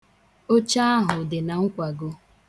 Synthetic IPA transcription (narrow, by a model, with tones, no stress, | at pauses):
o˦t͡ʃa˦a˦ɦʊ˨dɪ˨na˨ŋ̩˦kʷa˨ɡo˦